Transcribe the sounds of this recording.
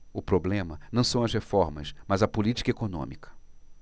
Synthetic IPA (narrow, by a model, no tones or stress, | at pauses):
ʊpɾoblẽmɐnɐ̃w̃sɐ̃w̃ɐzɦefɔɾmɐ̰smɐzɐpʊlit͡ʃi̥kɐekonõ̰mikʰɐ̥